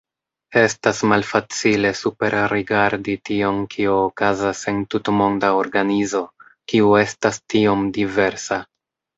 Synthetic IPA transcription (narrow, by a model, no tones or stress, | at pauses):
e̞stasmalfat͡sile̞supe̞ɾɾiɡaɾditio̞nkʰioːkazase̞ntutmo̞ndao̞ɾɡanizo̞ | kiue̞stastio̞mdive̞ɾsa